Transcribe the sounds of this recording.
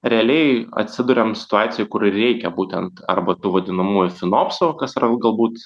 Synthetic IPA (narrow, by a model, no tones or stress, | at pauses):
ɾʲɛɐlʲɛɪɐ̰t̪ʲsʲɪd̪ʊɾʲɛmsʲɪ̥t̪ʊɑːt̪sʲɪjʊɪkʊɾɪrʲɛɪkʲɛbuːt̪ʲɛnt̪ɐ̰rbɐt̪uːʋɐd̪ʲɪnɐmuːjʊfʲɪnoːpsokɐsɐrɡɐlˠbuːt̪